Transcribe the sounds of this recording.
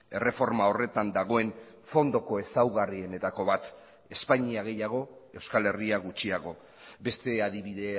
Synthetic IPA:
e̞re̞fo̞ɾmao̞re̞t̪and̪aɣ̞o̞e̞n | fo̞nd̪o̞ko̞e̞sawɣariene̞t̪ako̞βat̪ | e̞spaɲiaɣ̞e̞jaɣ̞o̞e̞wskale̞riaɣut͡ʃiaɣ̞o̞ | be̞st̪e̞að̞iβ̞iðe̞

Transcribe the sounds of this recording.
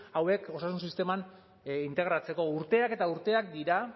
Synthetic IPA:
awe̞ko̞sasunsist̪e̞man | int̪e̞ɣ̞ɾat͡se̞ko̞uɾt̪e̞ake̞t̪auɾt̪e̞akd̪iɾa

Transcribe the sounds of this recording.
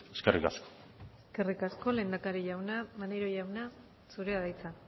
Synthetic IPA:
eskerika̰sko̥ | eske̞rikasko̞le̞ːnd̪akaɾiʝawnamaneɾo̞ʝawna | suɾe̞aðajt͡sa

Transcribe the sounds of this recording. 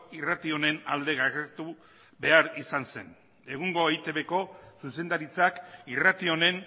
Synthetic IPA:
irat̪io̞ne̞nald̪e̞ɣaeɾt̪u | be̞aɾisanse̞n | e̞ɣ̞uŋɡo̞ejt̪e̞βe̞ko̞suse̞nd̪aɾit͡sakirat̪io̞ne̞n

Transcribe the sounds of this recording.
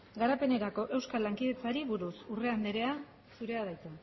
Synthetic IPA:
ɡaɾape̞ne̞ɾako̞ʔe̞wskalaŋkið̞e̞t͡saɾiβuɾusure̞and̪eɾe̞a | suɾe̞aðajt͡s̪e

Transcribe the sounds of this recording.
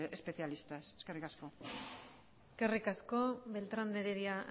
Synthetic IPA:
espe̞θialist̪aseskerikasko̞ | eske̞rikaskoβe̞lt̪ɾand̪eɾeɾiaʔ

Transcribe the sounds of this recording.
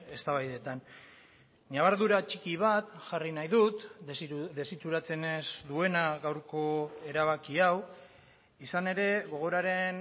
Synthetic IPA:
e̞st̪aβajðe̞t̪an | ɲaβ̞aɾðuɾat͡ʃikiβ̞at̪ʝarinajðut̪ | d̪e̞sit͡suɾat͡se̞nezd̪ue̞naɣawɾko̞e̞ɾaβakiaw | isane̞ɾe̞ɣo̞ɣ̞o̞ɾaɾe̞n

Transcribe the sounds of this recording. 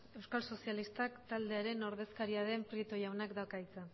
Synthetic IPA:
e̞wskalso̞sialist̪akt̪ald̪e̞aɾe̞no̞ɾðe̞skaɾiaðe̞mpɾit̪o̞jawnakd̪akajt͡sa

